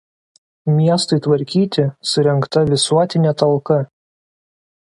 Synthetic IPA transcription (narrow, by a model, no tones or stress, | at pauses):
mʲiɛst̪ɐɪt̪ʋɐɾʲkʲiːt̪ʲɪsʊɾʲɛŋkt̪ɐʋʲɪsuɔt̪ʲɪnʲɛt̪ɐlˠkɐ